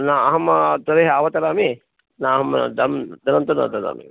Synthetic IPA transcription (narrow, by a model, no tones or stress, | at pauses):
naɐɦɐmɐt̪ɐɾeːɦaːʋɐt̪ɐɾaːmi | naːɦɐm̰d̪ɐmd̪ɐnɐnt̪ɐnɐ̰t̪ɐɾa̰ːmḭ